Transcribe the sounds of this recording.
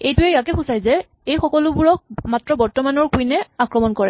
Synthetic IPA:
ejtʊɛjakɛxusajzɛ | ejxɔkɔlʊbuɹɔk̚matɹɔbɔɹtɔmanɔɹkujnɛakɹɔmɔnkɔɹɛ

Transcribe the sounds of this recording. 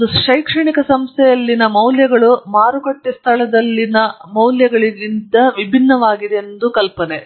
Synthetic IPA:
d̪uʃɐjkʂɐɳikɐsɐmst̪ʰɛjɐlːinɐmɐwljɐɡɐɭumaːɾukɐʈːist̪ʰɐɭɐd̪ɐlːinɐmɐwljɐɡɐɭiɡind̪ɐʋibʱinːɐʋaːɡid̪eend̪ukɐlpɐne

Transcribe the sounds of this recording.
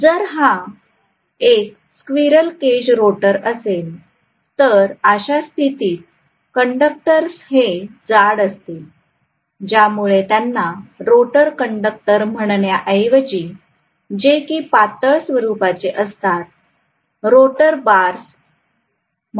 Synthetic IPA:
d͡zəɾɦã | ek̚ | skʋiɾəlked͡ʑɾoʈəɾəsel | t̪əɾaɕast̪ʰit̪iːt̪̚ | kəɳɖək̚ʈəɾsɦed͡zaɽəst̪i | d͡ʑjamuɭet̪janːaɾoʈəɾkəɳɖək̚ʈəɾm̤əɳ̃ɳjaʔəjʋd͡ʑiː | d͡ʑekiːpat̪əɭsʋəɾupat͡seʔəst̪at̪̚ | ɾoʈəɾbaɾs

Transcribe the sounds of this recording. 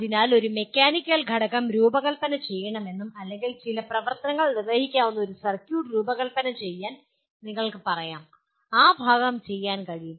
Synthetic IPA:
ɐðinaːlo̞ɾume̞kʲːaːnikʲːɐlɡʱɐɽɐkːɐmɾuːbɐɣɐlpɐnɐt͡ɕe̞jːɐɳɐme̞nːumɐlːeŋɡilt͡ɕilɐprɐʋɐrt̪ɐnɐŋːɐɭnird̪eːhikʲːaːʋunːɐo̞ɾusɐrkjuːɖɾuːbɐɣɐlpɐnɐmt͡ɕe̞jːaːn | niŋːɐɭkɨpɐrɐjaːm | aːbʱaːɡɐmt͡ɕe̞jːaːnkɐɻijum

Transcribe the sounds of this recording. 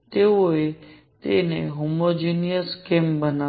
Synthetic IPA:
t̪eoe | t̪ḛnḛɦomod͡ʒinijəskembəna

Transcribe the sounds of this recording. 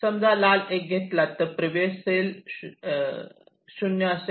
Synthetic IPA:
səmd͡zʱalalek̚ɡʱet̪lat̪ːəɾpɾəʋessel | ɕunjəəse

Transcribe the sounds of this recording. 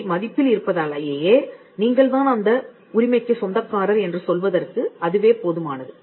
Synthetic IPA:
mɐðɪpːɪlɪɾɯpːɐðaːlɐjeːjeː | niːŋɡɐɭt̪ãːnɐnd̪ɐ | ʊɾɪmɐɪkːɯsɔnd̪ɐkːaːɾɐɾɛndrɯsɔlʋɐðɐrkɯɐðɯʋeːpoːðɯmaːnɐðɯ

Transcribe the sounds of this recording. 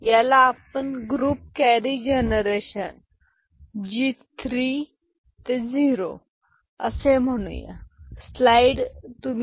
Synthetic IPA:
jalaːpəɳɡɾuːp̚kɛɾid͡ʑenəɾeɕən | d͡ʑit̪ʰɾi | t̪ed͡ziɾo̰ | ə̰sem̤əɽ̃ṵ̃jḛslajɖt̪um

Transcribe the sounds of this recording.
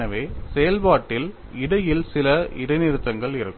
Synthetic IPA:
ɐʋeːsɛjɐlpaːʈːɪl | ɪɽɐjɪlsɪlɐɪ̰ɽɐɪnɪɾɯt̪ːɐŋɡɐɭɪɾɯkːɯ

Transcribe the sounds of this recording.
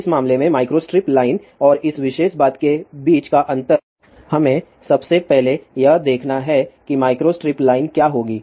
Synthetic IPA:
ɪsmaːmlemẽmaːɪkɾoːsʈɾɪplaːɪn | ɔːɾɪsʋɪʃeːʃbaːt̪kebiːt͡ʃkaʔɐ̃nt̪əɾ | hɐmẽ | sɐbsepɛɦlejɐɦd̪eːkʰnaɦɛkimaːɪkɾosʈɾɪplaːɪnkjaːɦoːɡiː

